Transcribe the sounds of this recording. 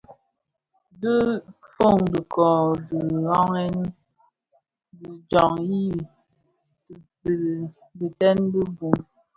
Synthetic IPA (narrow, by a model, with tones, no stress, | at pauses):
bə˦fo˦˨ŋdə˨kɔ˨də˨ɣɔ˦ŋɛ˦n˦ | də˨d͡ʒɔ˨ŋji˦˨ | bi˨tɛ˦nbə˦bu˨m